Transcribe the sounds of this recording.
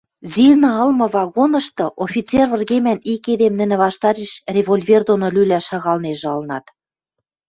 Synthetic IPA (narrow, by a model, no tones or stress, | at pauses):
zilnɑɤ̆lmɤ̆vɑɣonɤ̆ʃt̪ɤ̆ʔofʲit͡servə̆rɣemæniked̪emnɘ̆nɘ̆βɑʃt̪ɑɾeʃrʲevolʲvʲerd̪onolylæʃɑɣɑlneʒ̆ɤ̆lnɑt̪